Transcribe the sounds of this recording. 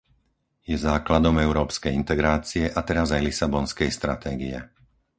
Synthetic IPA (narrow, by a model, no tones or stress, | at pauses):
jɛzaːklad̪ɔmɛʊɾɔːpskɛjint̪ɛɡɾaːt͡siɛʔat̪ɛɾazajlisabɔnskɛjst̪ɾat̪ʰɛːɡiɛ